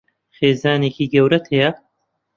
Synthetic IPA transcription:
χeːzaːneːkiːɡɐwɾɐt̪ʰejɐ

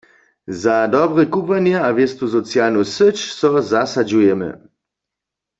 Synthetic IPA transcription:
zad̪ɔbʁɛkupvanjɛaʋjest̪usɔt͡sjalnusət͡ʃsɔzasad͡ʒujɛmɛ̰

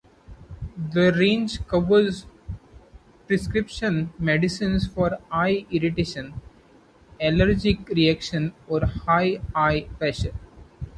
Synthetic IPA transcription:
d̪əɾẽːnd͡ʒkʌʋəɾz | pɾɪskɾɪpʃə̃nmeɖɪsĩnsfɔːɾaɪɪɾɪʈeːʃə̃n | ɛləɾd͡ʒɪkɾiækʃə̃nɔːɾhaɪaɪfɛʃə̃n

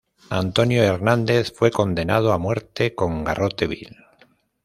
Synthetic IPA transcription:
ant̪o̞njoeɾnãnd̪e̞θfwe̞ko̞nd̪e̞nað̞oamwe̞ɾt̪e̞ko̞ŋɡarot̪e̞βḭl

